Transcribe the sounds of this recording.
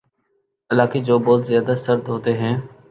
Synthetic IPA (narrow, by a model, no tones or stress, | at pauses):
ɪlaːkeːd͡ʒoːbɔːt̪zɪjaːd̪aːsəɾd̪ɦoːt̪eːɦɛ̃ː